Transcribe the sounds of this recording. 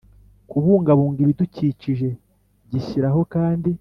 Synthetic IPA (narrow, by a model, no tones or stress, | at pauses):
kuβuːŋɡaβuːŋɡiβiduciːciʒe̞ | ɟiçiɾaɦo̞kaːndi